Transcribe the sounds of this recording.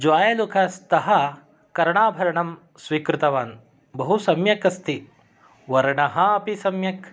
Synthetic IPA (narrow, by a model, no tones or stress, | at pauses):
d͡ʒʋaːjɐlukʰɐst̪ɐɦɐ | kɐɾɐɳaːbʱɐɾɐɳɐm | sʋiːkɾut̪ɐʋaːn | bɐɦusɐmjɐkɐst̪i | ʋɐɾɐɳɐɦɐɐpisɐmjɐk